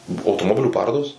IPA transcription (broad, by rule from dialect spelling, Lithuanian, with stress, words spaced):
ˈbʊʋoː ɐʊtoːmoːˈbʲɪlʲuː ˈpɑːroːdoːs